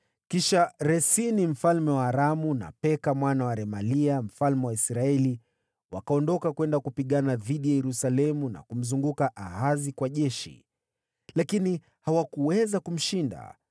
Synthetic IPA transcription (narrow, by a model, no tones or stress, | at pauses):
kiʃaɾɛsinim̩falmɛwaːɾamuna̰pɛkamwanawaɾɛmaliam̩falmɛwaisɾaɛli | wakaɔndɔkakwɛndakupiɠanaðiɗijajɛɾusalɛmuna̰kum̩zuŋɡukaʔaɦazikwaʄɛʃḭ | lakini | hawakuwɛzakum̩ʃinda̰